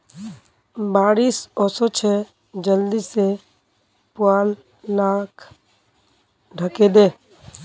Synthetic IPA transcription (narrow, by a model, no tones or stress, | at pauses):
baːɾiːsɔːsot͡ʃʰɛː | d͡ʒəld̪ise | pʊaːlː | aːkʰ | ɖʱəked̪eː